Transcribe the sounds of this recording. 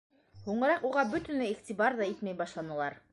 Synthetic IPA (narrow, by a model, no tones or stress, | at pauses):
huɴɤ̆ɾɑquʁɑbɵ̆t̪ɘ̆nlɘiχt̪ʲibɑɾðɑit̪mæjbɑʃlˠɑnɤ̆lˠɑɾ